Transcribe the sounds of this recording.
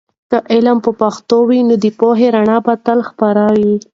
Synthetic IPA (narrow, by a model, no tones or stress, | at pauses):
kaʔɪlampəpaxt̪owinod̪əpoɦeɾaɳɑbat̪alxpaɾɑwi